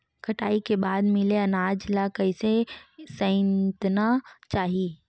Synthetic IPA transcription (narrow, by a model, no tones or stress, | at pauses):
kʰɐʈaːikebaːd̪mɪleɐnaːd͡ʒlakɐɪsesɐ̃ɪ̃nt̪nat͡ʃaːɦiː